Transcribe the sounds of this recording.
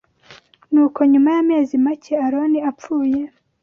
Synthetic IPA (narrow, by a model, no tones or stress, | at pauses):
nuːko̞ɲumajame̞ːzimaceaɾo̞niap͡fuːje̞